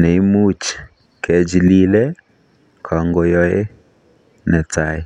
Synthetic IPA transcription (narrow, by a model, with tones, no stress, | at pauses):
ne˨i˦mu˦t͡ʃ | kɛ˨d͡ʒli˦lɛ˦ | kʰɔ˨ŋɡo˨jɔ˦e˦ | nɛ˨ta˨ɪ˨